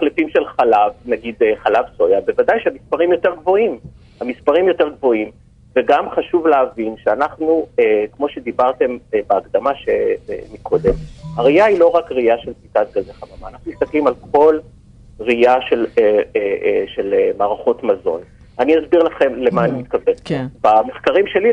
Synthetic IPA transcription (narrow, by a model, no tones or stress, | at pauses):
alifimʃelχalavnaɡid̪eχalavso̞jabevadajʃeamispaʁimjo̞teʁɡvo̞im | hamispaʁimjo̞te̞ʁɡvo̞im | veɡamχaʃuvleavinʃeanaχnuekmo̞ʃed̪ibaʁte̞mbeːkd̪amaʃḛmikʰo̞d̪e̞mhaʁiailo̞ʁakʁiaʃelfitat̪̚ɡazeχamamaːnaχnumist̪aklimalkʰo̞l | ʁiaʃeleeʃelemaːʁaχo̞t̪mazo̞̰n | aniazbiʁlaχe̞mle̞maːnimit̪̚kavenkbame̞χkaʁimʃe̞li